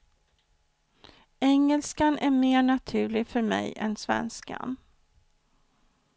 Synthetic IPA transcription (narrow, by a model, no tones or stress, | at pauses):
ɛŋːɛlskanʔæɾmeːɳat̪ʰʉ̟ːɭɪɡfœɾmɛ̰jɛ̰nsvɛ̰nska̰n